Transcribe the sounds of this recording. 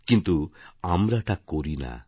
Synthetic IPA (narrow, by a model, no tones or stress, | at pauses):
kint̪uamɾat̪ʰakːoɾina̰